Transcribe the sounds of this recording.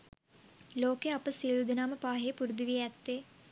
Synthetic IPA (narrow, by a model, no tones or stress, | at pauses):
loːkeɐpəsiːlud̪inaːmɐpaːɦeːpuɾd̪iʋiɛt̪ːeː